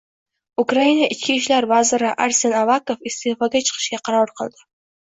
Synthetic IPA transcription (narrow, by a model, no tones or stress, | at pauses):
ukɾainaʔɪt͡ʃkʲʰiʃlaɾvazɪɾɪʔaɾsenavakofɪst̪ʰefɒɡʲat͡ʃʰɨ̥qʰɨ̥ʃkʲaqʰɑɾɒɾqʰɨlˠd̪̥ɪ